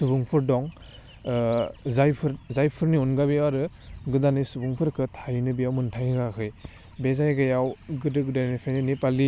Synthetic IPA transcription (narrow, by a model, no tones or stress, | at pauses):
subuŋpʰɯɾdɔŋ | zajpʰɯɾzajpʰɯɾniunɡabiaɾɯ | ɡɯdanɯjsubuŋpʰɯɾkʰɯtʰajnɯbijawmɯntʰajɡakʰɯj | bezajɡɯjawɡɯdɯkdajnipʰajninipali